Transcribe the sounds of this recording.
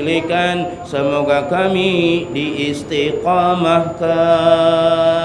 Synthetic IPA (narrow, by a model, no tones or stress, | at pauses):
likansəmoɡakamidiːst̪iqɔmahka